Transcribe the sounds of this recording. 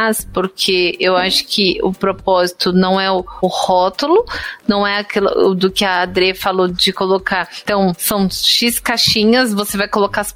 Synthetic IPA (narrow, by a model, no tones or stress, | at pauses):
spoɾkʰeewaʃʊ̥kʰɪʊpɾopɔzit̪ʊnɐ̃w̃ɛʊʊhɔt̪ʊlʊnɐ̃w̃ɛakilʊ̰d̪ʊkɪɐːd̪ɾefalod͡ʒɪkolokaɾt̪ɐ̃w̃sɐ̃w̃ʃiskaʃĩɲɐsvosevajkolokas